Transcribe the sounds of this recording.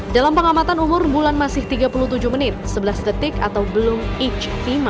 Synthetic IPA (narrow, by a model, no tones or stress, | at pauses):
dalampəŋamat̪anumʊrbulanmasɪht̪iɡapuluht̪ud͡ʒuhmənɪt̪̚səbəlasdət̪ɪka̰t̪awbəlʊmit͡ʃfima